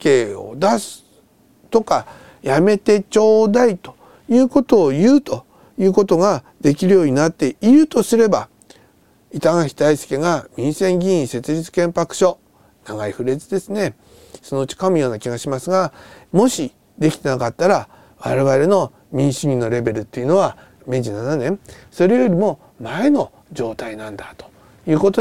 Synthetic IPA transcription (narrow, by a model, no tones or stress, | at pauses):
keːo̞̰d̪asɨ̥ | t̪o̞ka | jame̞t̪e̞t͡ɕo̞ːd̪ait̪o̞̥ | jɯ̟ːko̞t̪o̞ːjɯ̟ːt̪o̞ | jɯ̟ːko̞t̪o̞ɡa | d̪̥e̞kʲiɾɯ̟jo̞ːɲ̟inat̪ːe̞iɾɯ̟t̪o̞sɨɾe̞ba | it̪aŋaçi̥t̪aisɨ̥ke̞ɡamʲĩɰ̃sẽ̞ŋɡʲĩĩse̞t͡sɨʑit͡sɨ̥kẽ̞mpakɯ̟̥ɕo̞ | naɡaiɸɯ̟ɾe̞t͡sɨd̪e̞sɨne̞ | sono̞ɯ̟t͡ɕi̥kamɯ̟jo̞ːnakʲiɡaɕimasɨɡamo̞ɕi | d̪e̞kʲi̥t̪e̞nakat̪ːaɾa | βa̰ɾe̞βaɾe̞no̞ | mʲĩɰ̃ɕiɲʲinːo̞ɾe̞be̞ɾɯ̟t̪ːe̞jɯ̟no̞a | me̞ʑinananẽ̞ɴso̞ɾe̞jo̞ɾʲimo̞ | maeno̞ | d͡ʑo̞ːt̪ainãnd̪at̪o̥ | jɯ̟ːko̞t̪o